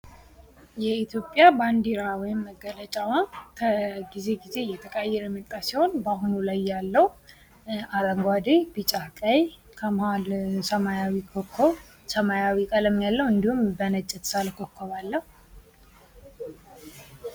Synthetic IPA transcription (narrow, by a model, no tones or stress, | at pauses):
jɛit̪ʰjo̞pʼːjaband̪eɾawɔjɪmːəɡːələt͡ʃʼawakʰəɡize̞ɡize̞jɛt̪ʰəkʼajːɛɾmɨk̪ʼːasiho̞nbahunulajːalːəw | aɾəŋɡʷad̪ebit͡ʃʼakʼaj | kʰəmhalsəmajawikʰokʰːo | səmajawikʼaləmjalːəwɨnd̪ihumbənət͡ʃʼːɛt̪ʰsaləkʰokʰːoβalːəhu